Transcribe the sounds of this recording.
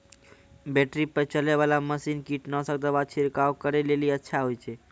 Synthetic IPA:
bɛʈɾipət͡ʃəleβalaməsinkiʈnəsəkd̪əbat͡ʃʰiɾkawkəɾeleliətːʃʰaɦojt͡ʃʰɛ

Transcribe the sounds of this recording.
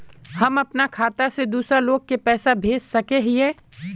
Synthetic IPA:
hɐmɐpnakʰaːt̪ased̪uːsɾaloːɡ̚kepɛːsabʱeːd͡ʒsɐkeɦiɦɛː

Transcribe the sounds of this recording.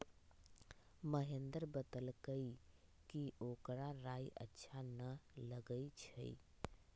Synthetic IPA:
məɦend̪əɾbət̪əlkəikiʔokɾaɾajʔə̰tːʃʰanələɡəit͡ʃʰə̰ḭ

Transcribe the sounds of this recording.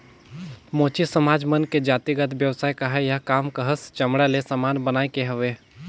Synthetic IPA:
moːt͡ʃisəmaːd͡ʒmənked͡ʒaːt̪iɡət̪bjəʋsaːikaɦɛjɐɦkaːmkəɦəst͡ʃəmɽalesamaːnbənaːekeɦəʋeː

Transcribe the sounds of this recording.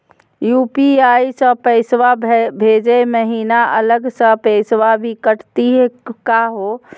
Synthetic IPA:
jupiajisə̃pəɪsʋabbʱed͡ʒeməɦinaʔələɡsə̃pəɪsʋabikəʈt̪iɦkaɦo

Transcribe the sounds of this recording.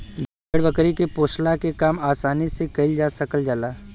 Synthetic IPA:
d | əɽbɐkɾikepoːʃlakekaːmaːsaːnisekɐild͡ʒaːsəkəld͡ʒaːlaː

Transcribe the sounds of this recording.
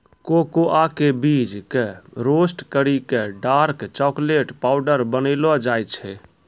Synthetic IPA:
kokoʔakebid͡ʒkeɾosʈkəɾikeɖaɾkt͡ʃɔkleʈpaʊɖəɾbənəɪlɔd͡ʒajt͡ʃʰɛ

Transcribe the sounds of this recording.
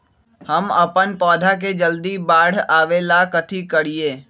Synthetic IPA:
həmɐpənpɔːd̪ʱak̬ed͡ʒəld̪ibaːɽ̤aːʋelakət̪ʰikəɽieː

